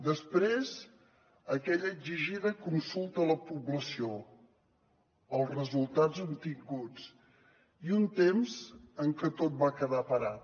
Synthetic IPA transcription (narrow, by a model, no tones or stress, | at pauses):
d̪əspɾez | əkɛʎəːɡziʒiðəkunsulˠt̪ələpuβləsio | əlˠzrəzulˠt̪ad͡zzənt̪iŋɡud͡z | iunt̪emzəŋkət̪ot̪̚bakəðapəɾat̪